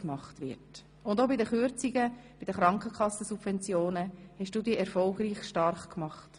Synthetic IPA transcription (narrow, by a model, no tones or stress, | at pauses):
kmɑχtʋɪ̰ɾt | ʊndobɪdəχyɾt͡siɡəb̥ɪd̥əχɾɑŋkχəkχɑsəsubvɛnt͡sjoːnəhɛʃd̥uːdiːʔɛɾfɔlˠɡɾiːχʃtɑɾχkmɑχt